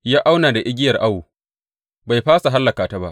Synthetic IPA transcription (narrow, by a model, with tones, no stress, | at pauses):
jaː˦ʔa˦wnaː˨da˨ʔɪ˦ɡʲɪ˦jɐ˨rʔa˦woː˨ | ba˨jɸaː˦sa˨ɦa˦lːɐ˨kaː˨ta˦ba˦ʔ